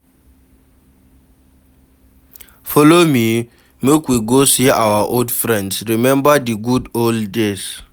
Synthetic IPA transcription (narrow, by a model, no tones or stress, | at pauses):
fɔlomi | mekwiɡosiʔawaʔoldfɹɛ̃ndsɹimɛ̃mbadiɡudolddes